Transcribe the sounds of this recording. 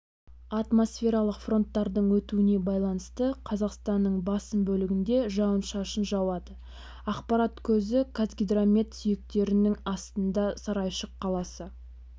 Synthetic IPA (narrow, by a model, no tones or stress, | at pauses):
ɑt̪mo̞sfʲe̞ɾɑlˠəqfro̞nt̪ːɑɾd̪əɴwɵt̪uɪne̞bɑjlˠɑnəst̪əqʰɑzɑqst̪ɑnːəɴbɑsəmbɵlɪɡʲɪnd̪e̞ʒɑwənʃɑʃənʒɑwɑd̪ə | ɑqpɑɾɑt̪kʲʰɵzɪkʰazɡʲid̪ramʲet̪sʏjɪk̚t̪e̞ɾɪnɪŋɑst̪ənd̪ɑsɑɾɑjʃəqʰːɑlˠɑsə